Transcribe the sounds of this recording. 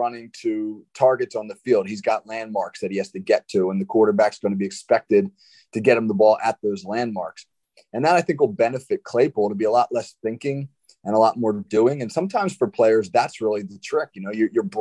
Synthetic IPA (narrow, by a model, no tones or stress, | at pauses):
ʌnɪ̃ŋtʰɨtʰɑɹɡɨtsn̩ðəfilˠd̚hizɡɑtˡlæ̃nmɑɹksðɨt̚hihæz̥tɨɡɛtʰʉə̃nðɨkʰw̥ɔɹɾə˞bæksɡ̥ʌ̃ʊ̃ñəbiɨkspɛk̚tɪd̚ | tʰɨɡɛt̚hə̃mðəbɔlˠʔət̪̚ðoʊzlæ̃nmɑɹks | ɨ̃nðəɾaɪθɪ̃ŋkwəlˠbɛnɨfɨt̚kʰl̥eɪpol̩ˠɾəbiəlɔʔˡlɛsθɪ̃ŋkɪ̃ŋ | ɨ̃nəlɔt̚mɔɹdʉɪ̃ŋɨ̃nsʌ̃mtʰãɪ̃mz̥fə˞pʰl̥eɪə˞zðætsɹɪlˠiðɨtʰɹ̥ɪkjɨnoʊjə˞jə˞b